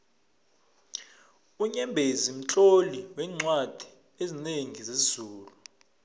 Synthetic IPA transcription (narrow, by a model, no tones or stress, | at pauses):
uɲɛmbʱezim̩t͡ɬʼoliwɛŋ͡ǀwad̥ʱi̥ | ezineŋizezuːlu